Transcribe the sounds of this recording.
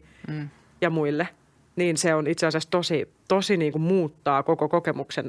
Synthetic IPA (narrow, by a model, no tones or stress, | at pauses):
jɑmuilːe | niːnseonit̪seɑsest̪osit̪osiniːŋkummuːt̪ːɑːkokokokemuksen